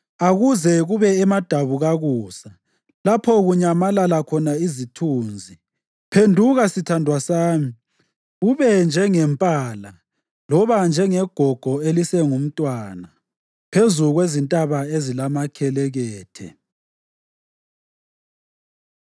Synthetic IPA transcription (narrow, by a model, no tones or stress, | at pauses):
aɣuzɛɣuβɛɛmad̥ʱaβuɣaɣuːsa | lapʰɔɣuɲamalalakʰɔnaizitʰuːnd͡zʱi | pʰendʱuɣasitʰandʱwasaːmi | ɣuβɛnd͡ʒʱɛŋɛmpʼaːla | lɔβand͡ʒʱɛŋɛɡ̥ʱɔɡ̥ʱɔelisɛŋum̩tʼwaːna | pʰezuɣwezintʼaβaezilamakʰɛlɛɣɛːtʰɛ̰